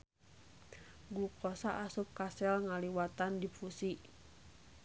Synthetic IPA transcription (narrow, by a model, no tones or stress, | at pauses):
ɡukɔsaʔasup̚kasɛlŋaliwat̪andipusiʔ